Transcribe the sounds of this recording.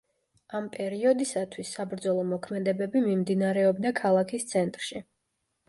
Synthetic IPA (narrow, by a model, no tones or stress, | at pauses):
ampʼɛɾiɔd̪isat̪ʰwisːabɾd̪zɔlˠɔmɔkʰmɛd̪ɛbɛbimimd̪inaɾɛɔbd̪akʰalˠakʰist̪sʰɛnt̪ʼɾʃi